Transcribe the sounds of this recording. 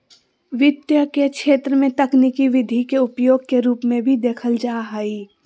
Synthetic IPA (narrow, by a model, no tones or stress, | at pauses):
ʋɪd̪jəkekʃeːt̪ɾəmẽt̪ɐknikiʋɪd̪ʱikeʊpjoːɡ̚keɾuːpmẽbʱid̪eːkʰəld͡ʒaːɦaiː